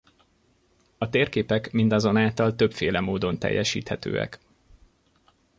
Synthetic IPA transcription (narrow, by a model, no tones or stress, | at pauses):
ɒt̪eːrkeːpɛkmind̪ɒzo̞naːlt̪ɒlt̪ø̞pfeːlɛmoːd̪o̞nt̪ɛ̰jːɛʃḭːt̪hɛt̪ø̰ːɛ̰k